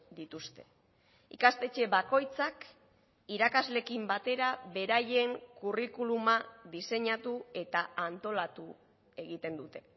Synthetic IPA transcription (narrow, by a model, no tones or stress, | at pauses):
d̪it̪ust̪e̞̥ | ikast̪e̞t͡ʃe̞βako̞jt͡sak | iɾakazle̞kimbat̪e̞ɾaβe̞ɾaje̞ŋkurikulumaðise̞ɲat̪ue̞t̪aant̪o̞lat̪u | e̞ɣit̪e̞nd̪ut̪e̞̥